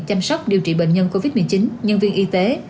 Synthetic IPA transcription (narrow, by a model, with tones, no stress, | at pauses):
t͡ɕa˧msɔ˦˥wk͡p̚ɗi˨˩əwt͡ɕḭ˧˩ɓḛ˧˨nɲə˧nko˧vi˦˥t̚mɨ˨˩ət͡ɕi˨˦nɲə˧nvi˧ənʔi˧t̪e˨˦